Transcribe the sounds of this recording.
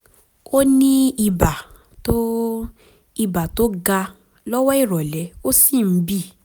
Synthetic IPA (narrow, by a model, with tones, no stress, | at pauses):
o˦nĩ˦i˧ba˨ | to˦ | i˧ba˨to˦ɡa˧ | lɔ˦wɔ˦i˦˨ɾɔ˨lɛ˨˦o˦si˦˨m̩˨˦bi˦˨